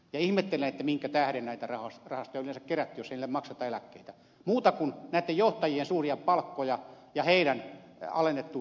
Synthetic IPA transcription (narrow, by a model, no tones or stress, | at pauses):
jɑihmet̪ːelːenet̪ːæmiŋkæt̪æhɾennæit̪ærɑhɑsrɑhɑst̪ojɑlˑensɑkkeræt̪ːyjoseinilːemɑksɑt̪ɑelækːeit̪æ | muːt̪ɑkunnæˑit̪ːejjoht̪ɑjiːensuːriɑppɑlkːojɑ | jɑheiɾænɑ̰lenːet̪ːu